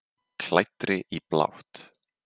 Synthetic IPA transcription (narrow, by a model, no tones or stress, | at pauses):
kʰlajt̪ɾɪʔipla̰wht̪